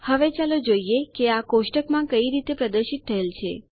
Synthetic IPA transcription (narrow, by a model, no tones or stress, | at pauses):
həʋet͡ʃalod͡ʒoijekeakoʃʈəkmãkəiɾit̪epɾəd̪əɾʃit̪ʰːəɦelt͡ʃʰḛ